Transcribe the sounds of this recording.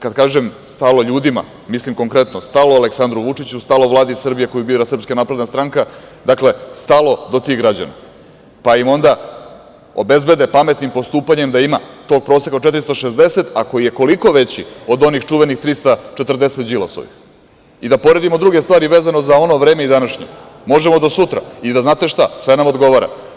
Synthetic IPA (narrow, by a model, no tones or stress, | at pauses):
kad̪̚kaːʒemst̪alo̞ʎuːd̪ima̰ | mislimko̞ŋkɾe̞t̪nost̪aloaleksand̪ɾuʋut͡ʂit͡ɕust̪alo̞ʋlˠaːd̪isr̩bijeko̞jubiːɾasrpskanapɾe̞d̪nast̪ɾaŋkad̪akle̞st̪alˠo̞d̪o̞t̪iɣɡɾad͡ʑa̰na̰ | paimo̞nd̪a | o̞be̞zbe̞d̪e̞pame̞t̪nimpo̞st̪uːpaɲe̞md̪aimat̪o̞ːɡ̚pɾo̞ːsekat͡ʃe̞t̪ɾist̪oʃezd̪ese̞t̪akojije̞ko̞liko̞ʋe̞t͡ɕio̞d̪o̞nixt͡ʂuʋe̞nixt̪ɾist̪at͡ʃet̪r̩d̪eset̪d͡ʒilˠaso̰ʋḭx | id̪apo̞ɾe̞d̪imod̪ɾuɡe̞st̪vaːɾiʋe̞ːzano̞zao̞no̞ʋɾe̞ːmeid̪anaʃɲḛmo̞ʒemo̞d̪osut̪ɾa̰id̪aznaːt̪e̞ʃt̪asʋe̞namo̞d̪ɡo̞ʋaɾa̰